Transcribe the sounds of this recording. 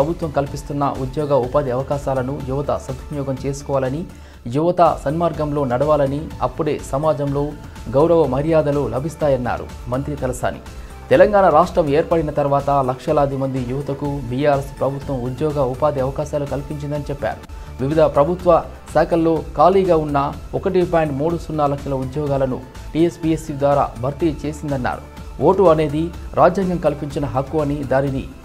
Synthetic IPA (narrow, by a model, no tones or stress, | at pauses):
pɾɐbʱut̪ʋɐmkɐlpist̪unːɐ̰ʔud̪jɔːɡɐupaːd̪iɐʋɐkaːʃaːlɐnujuʋɐt̪ɐ̰sɐt̪ːunjɔːɡɐmt͡ʃe̞ːsu̥kɔʋaːlɐni | juʋɐt̪ɐsɐnmaːɾɡɐmlo̞ːnɐɽɐʋaːlɐniɐpːuɽe̞̰ːsɐmaːd͡ʒɐmlo̞ː | ɡɐwɾɐʋɐmɐɾjaːd̪ɐlulɐbʱist̪aːjɐnːa̰ːɾṵ | mɐnt̪ɾit̪ɛlɐsa̰ːnḭ | t̪ɛlɐŋɡaːnɐɾaːʂʈɾɐme̞ːɾpɐɽinɐt̪ɐɾʋaːt̪ɐlɐkʂɐlaːd̪imɐnd̪ijuʋɐt̪ɐkubijaːɾespɾɐbʱut̪ʋɐmud̪jɔːɡɐʋɐpaːd̪iɐʋɐkaːʃaːlukɐlpiɲt͡ʃind̪ɐnit͡ʃɛpːa̰ːɾu | ʋiʋid̪ʱɐpɾɐbʱut̪ʋɐ | sɛːkʰɐlːo̞ːkaːliːɡaːunːɐɔkɐʈ̬ipaːɳɖmuːɽusunːɐlɐkʂɐlɐud̪jɔːɡaːlɐnu | ʈiːespijesiʋd̪ʋaːɾa̰ːbʱɐɾt̪it͡ʃe̞ːsind̪ɐnːa̰ːɾṵ | ʔoːʈuɐne̞ːd̪iɾʔaːd͡ʒjɐŋɡɐmkɐlpiɲt͡ʃinɐɦɐkːuɐnid̪aːninḭ